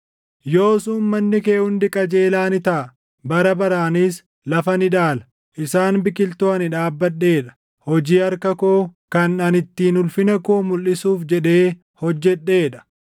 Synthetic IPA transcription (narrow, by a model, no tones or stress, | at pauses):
jo̞ːsuːnmɐnːɪke̞ːʔʊnd̪ɪkʼɐd͡ʒeːlaːnɪt̪ɐ | bɐɾɐbɐɾaːnis | lɐfɐnɪᶑaːlɐ̥ | ʔɪsaːnbɪkɪlt̪oːɐnɪᶑaːbːɐᶑːe̞ːᶑɐ̥ | hɔd͡ʒiːɐɾkɐkoːkɐnɐnɪt̪ːiːnʊlfɪnɐkoːmʊlːɪsuːfd͡ʒɛᶑe̞ː | hɔd͡ʒːɛɗːe̞ːᶑɐ̥